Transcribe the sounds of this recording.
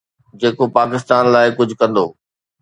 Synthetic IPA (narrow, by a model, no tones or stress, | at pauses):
d͡ʑeːkopaːkɪst̪aːnlaːɪkʊd͡ʑʱʊ̆kɐ̃nd̪oː